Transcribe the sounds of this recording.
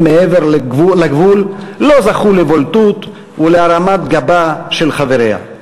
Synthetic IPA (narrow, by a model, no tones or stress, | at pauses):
meeveʁulaɡvulːo̞zaχulevolt̪ut̪ | uleaɾamat̪ɡabaʃe̞lχave̞ɾeha̰